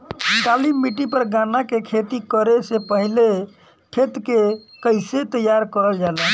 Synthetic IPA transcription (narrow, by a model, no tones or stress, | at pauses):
nʈ̪alimːiʈipəɾɡãnakekʰet̪ikəɾesepəɦile | kʰet̪kekəjset̪əjaɾkəɾəld͡ʒalən